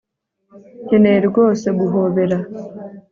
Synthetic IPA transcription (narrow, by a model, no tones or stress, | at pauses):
heneɾɡo̞ːse̞ɡuɦoβe̞ɾa